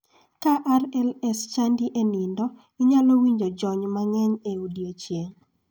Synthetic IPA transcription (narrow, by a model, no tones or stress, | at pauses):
kaʔaɾɛlɛst͡ʃandiʔenindɔ | ɪɲalowiɲd͡ʒod͡ʒɔɲmaŋɛɲeudiot͡ʃjeŋ